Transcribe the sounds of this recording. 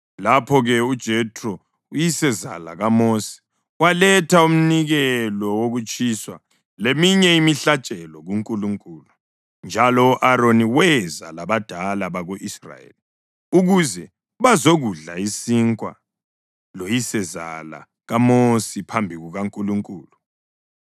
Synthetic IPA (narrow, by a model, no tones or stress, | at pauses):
lapʰɔɣɛud̥ʒ̥ʱɛtʰʼrɔ | ujisɛza̰la̰ɣamosi̥ | walɛtʰaum̩niɣɛlɔwoɣut͡ʃʼiswa | lemiɲɛimiɬat͡ʃʼɛlɔɣuŋkʼuluŋkʼulu | nd͡ʒʱalɔuʔaɾoniwɛzalaβad̥ʱalaβaɣoʔisra̰jḛːli | uɣuzɛ | βazoɣuɮaisiŋkʼwa̰ | lojisɛza̰la̰ | ɣamosipʰambʱiɣuɣaŋkʼuluŋkʼuːlu